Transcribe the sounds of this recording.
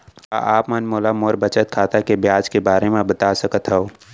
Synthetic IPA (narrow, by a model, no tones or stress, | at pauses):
a̰ʔaːpmənmoːlamoːɾbət͡ʃət̪̚kʰaːt̪akebjaːd͡ʒkebaːɾemẽbət̪aːsəkət̪ɦɛoː